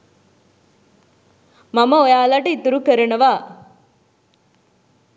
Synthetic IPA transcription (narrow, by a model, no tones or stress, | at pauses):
mɐmɐɔjaːlaːʈɐit̪ːuɾukɐɾɐɳɐʋaː